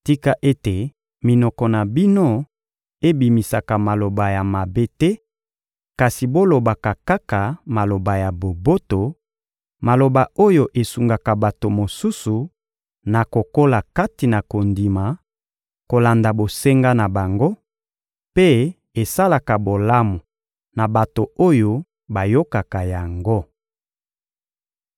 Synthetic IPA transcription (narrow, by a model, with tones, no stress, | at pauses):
ti˦ka˦ʔe˦te˨ | mi˨nɔ˨kɔ˨na˨bi˦no˦ | e˦bi˨mi˨sa˨ka˨ma˨lo˨ba˨ja˨ma˨be˦tɛ˦ | ka˨si˨bo˦lo˨ba˨ka˨ka˦ka˨ma˨lo˨ba˨ja˨bo˨bo˦to˨ | ma˨lo˨ba˨o˦jo˨ʔe˨su˨ŋɡa˨ka˨ba˨to˨mo˨su˦su˨ | na˨ko˨ko˦la˨ka˦ti˨na˨ko˨ndi˨ma˨ | ko˨la˨nda˨bo˨se˦ŋɡa˦na˨ba˨ŋɡo˦ | pe˦ | e˨sa˦la˨ka˨bo˨la˦mu˨ | na˨ba˨to˨o˦jo˦ | ba˨jo˦ka˨ka˨ja˨ŋɡo˦